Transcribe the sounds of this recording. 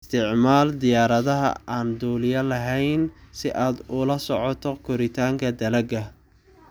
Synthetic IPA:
st̪ʰɪʕmaːld̪ɪjaːɾɐðɐɦɐ̰ʔaːnd̪uːlɪjɐlɐɦɛjnsɪʔaːd̪ʊlɐsɔʕɔt̪ʰɔkʰɔɾɪt̪ʰaːŋkʰɐd̪ɐlɐɡɐ

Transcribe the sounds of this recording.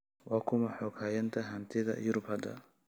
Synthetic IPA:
wɑːkʰʊmɐħɔːkhaːjɐnt̪ʰɐɦɐnt̪ʰɪðɐ̰jʊɾʊbhɐd̪ɐ̰

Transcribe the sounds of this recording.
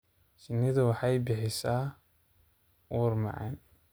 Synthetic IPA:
t͡ʃɪnːɪðɐwɑħɑjbɪħɪsaː | ʔuːɾmɑ̰ʕɑ̰n

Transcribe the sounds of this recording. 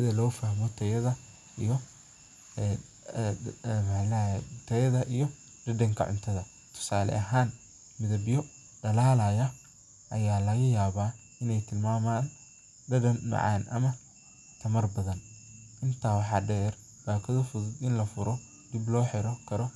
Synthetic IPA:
sɪðɐlɔːfɐhmɔt̪ʰɐjɐðɐ | ʔḭjɔ | mħlɛɛt̪ʰɐjɐðɐʔijɔ | d̪ɐd̪ɐŋkʰɐ̰ʕʊ̰nt̪ʰɐðɐ | t̪ʰʊ̥saːlɛ̰ʔɐɦaːn | mɪðɐbɪjɔ | ɖɐlaːlɐjɐ | ʔɐjaːlɐɣɐjaːβaː | ɪnɛjt̪ʰɪlmaːmaːn | ɖɐdɐnmɐ̰ʕɑ̰ːnʔɐ̰mɐ | t̪ʰɐmɐrbɐðɐn | ʔɪnt̪ʰaːwɑħɑːɖɛːr | b̥aːkʰɐðɐfʊðʊd̪ɪnlɐfʊɾɔ | d̪iblɔːħɛɾɔkʰɐɾɔ

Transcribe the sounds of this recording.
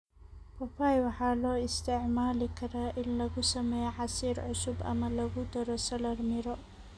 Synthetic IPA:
pʰɔfaːjwɑħɑːlɔːɪst̪ʰɪʕmaːlɪkʰɐɾaːʔɪnlɐɣʊsɐmɛːjɛʕɑsiːɾʕʊsʊbɐ̰mɐlɐɣʊd̪ɐɾɔsɐlɐrmɪɾɔ

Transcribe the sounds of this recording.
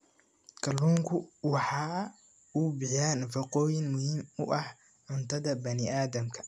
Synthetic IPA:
kʰɐlːuːŋkʰʊwɑħɑː | ʊbɪjaːnfɐqɔːjɪŋmʊhiːmʊʔɐh | ʕʊnt̪ʰɐðɐbɐnɪaːðɐmkʰɐ̥

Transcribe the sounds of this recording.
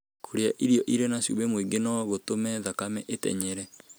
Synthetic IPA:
kʰoɾea̰ʔiɾjɔʔiɾenasṵβemwiɡenɔɣotomɛðakamɛʔetɛ̰ɲɛɾɛ

